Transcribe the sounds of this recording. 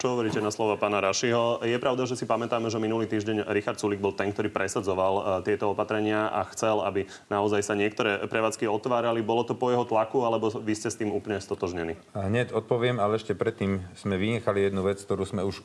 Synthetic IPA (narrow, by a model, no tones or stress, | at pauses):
t͡ʃɔɦɔʋɔɾiːcɛnaslɔʋapaːnaɾaʃiɦɔjɛpɾaʊd̪aʒɛsipamɛt̪aːmɛʒɛminuliːt̪iːʒɟɛɲɾixaɾt̪t͡suliɡ̚bɔlˠt̪ɛŋkt̪ɔɾiːpɾɛsad͡zɔʋalt̪ɪɛt̪ɔɔpat̪ɾɛɲɪaʔa̰xt͡sɛla̰bi | naɔzajsaɲɪɛk̚t̪ɔɾɛːpɾɛʋaːt͡skiɔt̪ʋaːɾalibɔlɔt̪ɔpɔjɛɦɔt̪lakualɛbɔʋiscɛst̪iːmuːpl̩ɲɛst̪ɔt̪ɔʒɲɛnḭːɦɲɛcɔt̪̚pɔʋɪɛmalɛɛʃcɛpɾɛt̪ːiːmz̥mɛʋiɲɛxalijɛd̪nuʋɛt͡sk̚t̪ɔɾuːsmɛuʃ